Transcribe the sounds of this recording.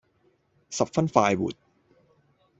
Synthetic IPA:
sa˨˩p̚fa˥˩nfaː˧jbṵ˨˩t̪̚

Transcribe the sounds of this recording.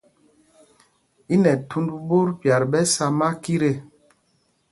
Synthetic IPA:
i˦nɛ˨tʰu˦ndbu˦ɾpja˨ɾbɛ˦sa˦ma˦ki˦ɾe˦

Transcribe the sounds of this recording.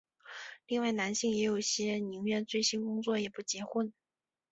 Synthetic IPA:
li˥˧ŋwa˥˩ɪna˧˥nɕi˥˩ŋjɛ˧˥jo˨˩ʊ˩ɕjɛ˥ni˧˥ŋɥɛ˥˧nt͡swe˥˩ɪɕi˥nkʊ˥ŋt͡swɔ˥˩jɛ˨˩pu˥˩t͡ɕjɛ˧˥xə˥˧n

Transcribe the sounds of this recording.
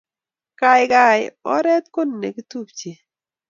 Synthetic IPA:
ka˨jɪka˨jɔ̰˦ɾɛ˦t̪̚ko˦n˨ne˨kɪ˦t̪u˦p̚t͡ʃe˨

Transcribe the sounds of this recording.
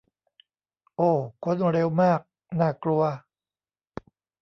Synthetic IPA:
ʔoː˧˩kʰo˧˥nɾe˧wmaː˥˩k̚ | naː˥˩klu˧ɐ

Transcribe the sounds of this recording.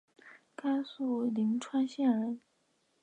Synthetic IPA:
ka˥ɪsu˥˩li˧˥ŋʈ͡ʂʰwa˥nɕjɛ˥˩ə˧˥

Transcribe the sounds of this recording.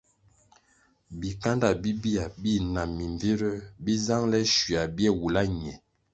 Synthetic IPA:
bi˨ka˦nda˨bi˦bi˦a˨bi˦˨na˨mːi˨ɱvi˦ɾə˦bi˦za˦ŋlɛ˦ʃi˨a˨bi˦ɛ˦˨wu˨la˦ɲɛ˨

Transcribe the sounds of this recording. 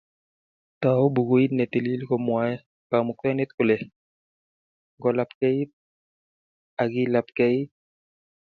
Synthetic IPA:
ta˨o˦bu˨ɡu˦i˦nɛ˨t̪e˨li˦li˦kɔ˨mwa˨˦ɛ˦ | ka˨mu˨kɛ˦nɛ˦t̪̚ku˨lɛ˨ | ŋɡɔ˨la˨pkɛ˦i˦ | a˨ɡi˦la˨p̚kɛ˦i˦

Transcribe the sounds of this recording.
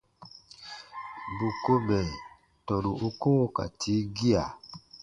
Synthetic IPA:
bu˨ko˧mɛ˨ | tɔ˨ɾu˨ʔo˦ko˦wo˦ka̰˨tʰi˨˦ɡi˦a˨

